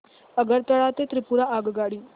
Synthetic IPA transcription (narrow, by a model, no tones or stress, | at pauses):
əɡəɾt̪ɐɭaːt̪et̪ɾɪpuːɾaʔaːɡɡaːɽiː